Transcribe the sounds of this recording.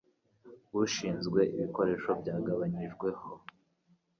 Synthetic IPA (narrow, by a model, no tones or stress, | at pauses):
wuʃiːnzɡwe̞ʔiβiko̞ɾe̞ʃo̞bjɟaːɡaβaɲiʒɡwe̞ho̞